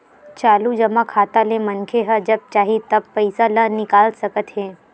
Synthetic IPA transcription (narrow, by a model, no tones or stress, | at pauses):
t͡ʃalud͡ʒəmakʰat̪alẽmənkʰeɦəd͡ʒəb̚t͡ʃaɦit̪əb̚pəjsalənɪkalsəkət̪ɦe